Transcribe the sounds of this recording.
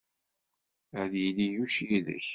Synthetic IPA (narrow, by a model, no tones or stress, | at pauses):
æðjilijuʃjiðə̰ç